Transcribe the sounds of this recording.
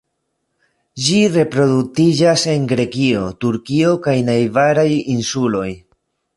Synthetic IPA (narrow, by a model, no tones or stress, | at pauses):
d͡ʒiɾe̞pɾo̞dutid͡ʒase̞ŋɡɾe̞kio̞tuɾkio̞kajnajvaɾajinsulo̞j